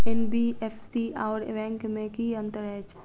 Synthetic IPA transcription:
enbiefʰsiaːɾḛʋɛ̃ːŋkmẽkiə̃nt̪əɾɛet͡ʃʰ

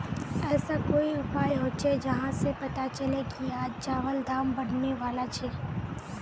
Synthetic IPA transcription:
ɛːsakoːiɾʊpaːjɦot͡ʃʰɛd͡ʒɐɦãsepɐt̪at͡ʃɐlekiaːd͡ʒd͡ʒaːʋəld̪aːmbɐɽ̤neʋaːlat͡ʃʰɛː

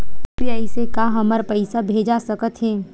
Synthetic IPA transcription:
pijaːisekaɦɐməɾpəɪsabʱeːd͡ʒasəkət̪ɦɛː

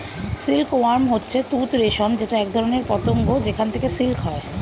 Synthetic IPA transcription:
silkoaɾmɦotːɕʰet̪ut̪ɾeʃond͡ʑeʈaɛk̚d̪ʱɔɾoneɾpɔt̪oŋɡod͡ʑekʰant̪ʰekesilkɦɔe

